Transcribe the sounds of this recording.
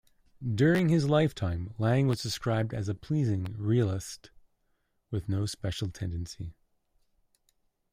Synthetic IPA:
dʊɹɪ̃ŋɨzlaɪftʰãɪ̃mlæ̃ŋwʌzd̥ɨskɹaɪb̚dɨzəpʰl̥izɪ̃ŋɹilˠɪst | wɨðnoʊspɛʃl̩ˠtʰɛ̃ndɨ̃nsi

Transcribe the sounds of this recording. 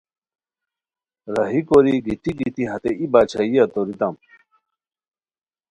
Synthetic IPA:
ɾɐɦikoɾiɡit̪iɡit̪iɦɐt̪eʔibaːt͡ɕʰajɐt̪oɾit̪am

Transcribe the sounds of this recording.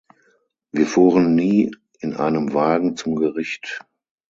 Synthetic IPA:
viːɐfuːʁənːiː | ɪnʔa̰ɪnəmvaːɡŋ̩t͡sʊmɡəʁɪçt

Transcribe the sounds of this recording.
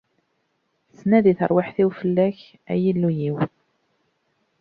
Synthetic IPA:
t͡sːnæðiθəɾˤwɪħθiwfəlːæç | æ̰jilːujiw

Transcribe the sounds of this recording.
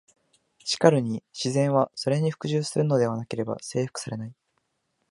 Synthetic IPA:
ɕi̥kaɾɯ̟ɲ̟iɕizẽ̞ɰ̃βaso̞ɾe̞ɲ̟iɸɯ̥kɯ̟ʑɨːsɨɾɯ̟no̞d̪e̞β̞anake̞ɾe̞ba̰se̞ːɸɯ̟̥kɯ̥saɾe̞nai

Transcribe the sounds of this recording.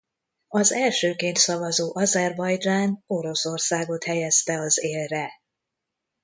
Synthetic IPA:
ɒzɛlʃøːkeːnt̪sɒvɒzoːʔɒzɛrbɒjd͡ʒaːno̞ɾo̞so̞rsaːɡo̞t̪hɛjɛst̪ɛɒzeːlrɛ

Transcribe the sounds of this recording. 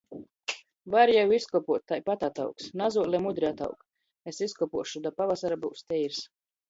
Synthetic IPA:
vaɾjɛwiskɔpuɔt̪ːajpat̪at̪a̰wksnazuɔlʲˠɛmud̪ɾiat̪a̰wk | esiskɔpuɔʃud̪apavasaɾabuwst̪ʲɛjiɾs

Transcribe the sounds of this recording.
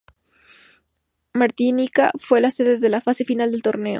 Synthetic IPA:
maɾt̪inikafwe̞lase̞ðe̞ðe̞lafase̞finald̪e̞lt̪o̞ɾne̞o̰

